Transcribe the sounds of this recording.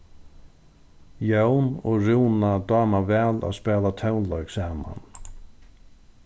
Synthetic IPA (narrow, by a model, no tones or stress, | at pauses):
jœwnɔɣɾuwnad̪aːmavɛːla̰ðspɛːlat̪ʰœwnlœɥksaːma̰n